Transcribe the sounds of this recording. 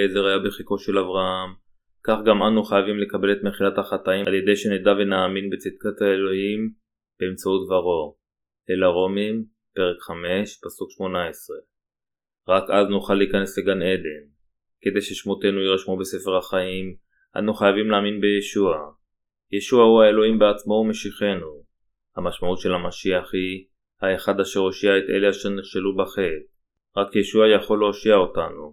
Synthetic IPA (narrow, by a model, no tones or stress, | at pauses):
ezeʁhajabeχikoʃelavʁaam | kaχɡamanuχajavimle̞kabe̞le̞t̪meχilathaχat̪aimalje̞d̪e̞jʃened̪ave̞naːminbe̞t͡sit̪̚kat̪aelo̞him | b̥eːmt͡sautvaʁo̞ | elaʁo̞mim | pe̞ʁe̞kχame̞ʃpasukʃmo̞naesʁe̞ | ʁakaznuχalːiːkane̞sle̞ɡane̞d̪e̞n | ke̞d̪e̞jʃeʃmo̞t̪e̞nuiʁaʃmube̞se̞fe̞ʁhaχaim | ʔa̰nuχajavimlaːminbe̞jeʃua | jeʃuahuaelo̞imbeat͡smo̞ume̞ʃiχe̞nu | hamaʃmaut̪ʃe̞lhamaʃiaχi | haeχad̪aʃe̞ʁoʃiaet̪e̞̰le̞aʃeʁniχʃelubaχet̚ | ʁakjeʃuajaχo̞lːooʃiao̞tanu